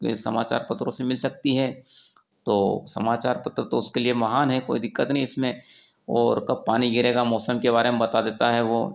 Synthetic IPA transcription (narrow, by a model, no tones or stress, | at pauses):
kḛsɐ̰maːt͡ʃa̰ːɾpɐt̪ɾõsemɪlsɐk̚t̪iɦɛː | t̪oːsɐmaːt͡ʃaːɾpɐt̪ɾət̪oʊskeliemɐɦaːnɦɛko̰ːid̪ɪkːət̪nɐɦĩɪsmẽ | ɔːɾkɐb̚paːniɡʱɪɾeːɡamɔːsəmkebaːɾemẽbɐt̪ad̪eːt̪aɦɛʋoː